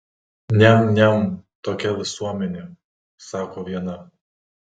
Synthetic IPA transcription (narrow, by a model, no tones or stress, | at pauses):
nʲɛnʲɛnt̪oːkʲɛʋʲɪsuɔmʲɛnʲe | sɑːkoːʋʲiɛnɐ